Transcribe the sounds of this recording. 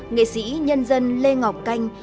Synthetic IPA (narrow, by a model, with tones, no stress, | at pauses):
ŋḛ˧˨sḭ˧˥ɲə˧nzə˧nle˧ŋa˨˩wk͡p̚ka˧jŋ̟